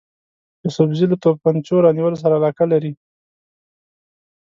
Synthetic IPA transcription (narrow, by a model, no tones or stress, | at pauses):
d̪əsʊbzilat̪ob̚pant͡ʃoɾɑniwəlos̬aɾaːlɑkalaɾi